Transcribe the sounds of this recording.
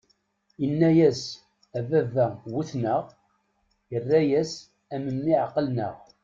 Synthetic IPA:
inːæjæs | ævævæwuθnəʁ | jərːæjæs | æməmːiʕqːəlnə̰ʁ

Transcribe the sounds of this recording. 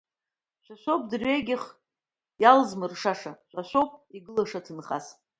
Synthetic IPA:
t͡ʃʷʰaʃʷop̚ʰʼdɨrɥeɡʲɪχ | jalzmɨrʂaʂat͡ʃʷʰʼaʃʷopʼiɡɨlaʂatʰɨnχa̰s

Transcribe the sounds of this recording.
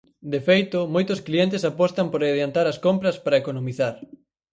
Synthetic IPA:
d̪efejt̪ʊmojt̪ʊskliɛnt̪esapɔst̪ɐmpoɾeðjant̪aɾɐskompɾɐspaɾɐekonomiθaɾ

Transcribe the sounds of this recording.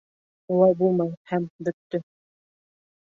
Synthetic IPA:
ulɑjbulˠmɑjhæmbɵ̆t̪ːɵ

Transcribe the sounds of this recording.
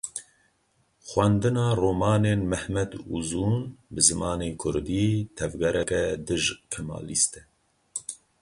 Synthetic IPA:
xwɛnd̪ɨnɑːroːmɑːneːnmɛhmɛd̪ṵzuːnbɨzɨmɑːneːkʰʊɾd̪iːt̪ʰɛvɡɛɾɛkɛd̪ɨʒkʰɛmɑ̰ːlist̪ɛ

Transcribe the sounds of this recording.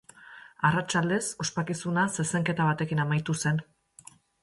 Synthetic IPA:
arat͡ʃald̪e̞so̞spakisunasese̞ŋke̞t̪aβat̪e̞kinamajt̪use̞n

